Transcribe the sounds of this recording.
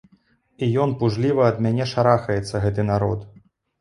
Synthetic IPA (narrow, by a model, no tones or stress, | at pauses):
ijɔnpuʐlʲivɐːd̪mʲanʲɛʂaɾaxɐjɛt̪sːɐɣɛt̪ɨnaɾɔt̪